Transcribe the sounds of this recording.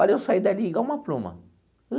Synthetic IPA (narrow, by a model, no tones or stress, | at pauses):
ɔɾewsaid̪ɐliɡɐũmɐplũmɐ̰